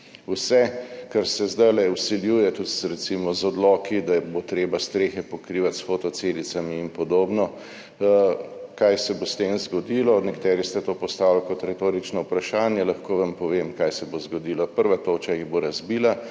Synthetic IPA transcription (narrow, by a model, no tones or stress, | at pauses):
usɛkaɾsɛzd̪ajlɛusiljuːjɛt̪ut̪sɾɛt̪simɔzɔd̪lɔːkid̪aɛbot̪ɾeːbast̪ɾeːxɛpɔkɾiʋat̪sfot̪ɔselit̪samiːmpɔd̪oːbnɔ | kajsɛbost̪eːmzɡɔd̪iːlɔnɛkat̪ɛːɾist̪ɛt̪oːpɔst̪aːwlkɔt̪ɾɛt̪oːɾit͡ʃnɔupɾaʃaːnjɛlaxkoːʋampɔʋeːmkajsɛbozɡɔd̪iːlɔpəɾʋat̪oːt͡ʃajiboɾazbiːla